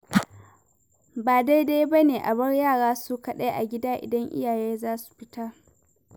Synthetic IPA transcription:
baː˨da˦jdaː˦jbɐ˦neː˨ʔa̰˨bɐ˦rjaː˦˨ɽaː˦su˦kɐ˨ɗɐ˦jʔa̰˨ɡʲɪ˦daː˦ʔɪ̰˨dɐ˦ŋʔɪ̰˦jaː˨jeː˦zaː˦su̥˨ɸɪ˦taː˦

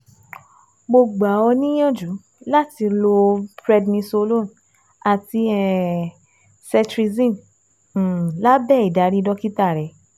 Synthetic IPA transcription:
ɡ͡bo˧˨ɡ͡ba˨ɔ˧nĩ˦j̃ã˦˨d͡ʒu˨˦ | la˦ti˧lo˧bɾɛ˧dnĩ˧so˧lo˦˨n | a˨ti˧ɛ˧ | sɛ˧tɾi˧zĩ˦˨ | la˦bɛ˦˨i˨da˨˦ɾi˦dɔ˦ki˦ta˦˨ɾɛ˨˦

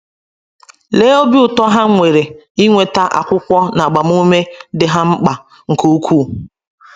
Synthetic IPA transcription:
leː˦o˦bi˦ʊ˨tɔ˦ɦa˦ŋʷe˨ɾe˨ | i˦ŋʷe˨ta˦ʔa̰˨kʷʊ˦kʷɔ˦na˨ɡ͡ba˨m˦u˦me˦dɪ˨ɦa˦ŋ͡m̩˦k͡pa˨ | ŋ̩˨ko˦u˦kʰʷuː˦˨

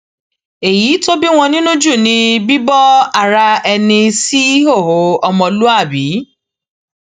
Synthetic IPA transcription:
e˨ji˨˦to˦bi˦w̃ɔ̃˧nĩ˦nũ˦d͡ʒu˦˨nĩ˧bi˦bɔ˦a˦˨ɾa˧ɛ˧nĩ˧si˦ɦo˦˨ho˨˦ɔ˧mɔ̃˧lu˦a˦˨bi˨˦

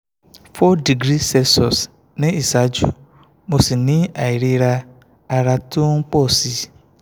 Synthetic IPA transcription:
fɔ˦di˨ɡɾi˦sɛ˦sɔ˨s | nɪ̃˦i˨sa˨˦d͡ʒṵ˨ | mo˨si˨nɪ̃˦a˨i˨ɾi˦ɾa˦ | a˦ɾa˦tʊ˦ŋ̩˦k͡pɔ˦˨si˦

